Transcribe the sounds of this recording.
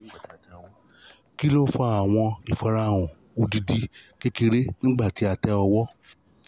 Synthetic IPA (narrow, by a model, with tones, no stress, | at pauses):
ɡ͡ba˦˨ti˨˦a˨tɛ˧ɔ˧wɔ˦ | ki˦lo˦fa˧˦a˨w̃ɔ̃˧i˨fa˨ɾa˧˨wɔ̃˨ | o˧di˧di˧ke˦ki˧ɾe˦nĩ˦ɡ͡ba˦˨ti˨˦a˧tɛ˧ɔ˧wɔ˦